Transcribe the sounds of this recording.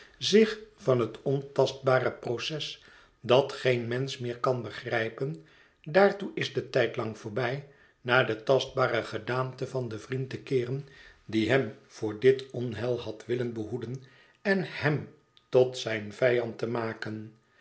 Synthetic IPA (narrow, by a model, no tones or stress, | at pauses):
zɪχfɑnɦətɔntɑst̚baːrəprowsɛs | dɑtχenmɛnsmɪːɹkɑnbəχrɛjpən | daːɹtuʔɪzdətɛjtlɑŋv̥ʊːɹbɛj | naːdətɑsd̚baːɾəχədaːmtəvɑndəvrintəkɪːrən | diɦɛmv̥ʊːɹdɪtɔnɦɛlˠɦɑtʋɪlənbəɦudən | ɛnhɛm | tɔtsɛjnv̥ɛjɑntəmaːkən